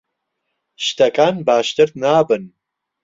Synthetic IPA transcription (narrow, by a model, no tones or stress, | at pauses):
ʃt̪ʰɐkʼaːnbaːʃt̪ɨɾd̪naːbɨn